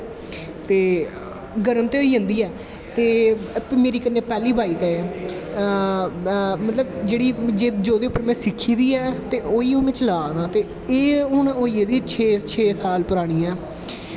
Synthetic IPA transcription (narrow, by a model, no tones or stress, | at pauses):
t̪eː | ɡəɾəmt̪eːoːiːd͡ʒə̃nd̪iːɛː | t̪eːpmeːɾiːkənːeːpɛːliːbʱaːiːkə | mət̪ləbd͡ʒeːɽiːd͡ʒeːd͡ʒoːd̪eːʊpːəɾmɛ̃ːsɪkʰːiːd̪iːɛːt̪eːʔoːiːõːʋɪ̃t͡ʃlaːd̪aːt̪eː | eːʊnoːiːed̪iːt͡ʃʰeːt͡ʃʰeːsaːlpʊɾaːɽ̃iːɛː